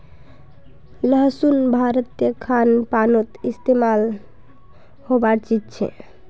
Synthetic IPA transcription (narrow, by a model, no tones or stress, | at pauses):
ləɦsunbʱaɾət̪jəkʰanpanot̪ist̪emal | hobaɾt͡ʃid͡ʒt͡ʃʰɛ̰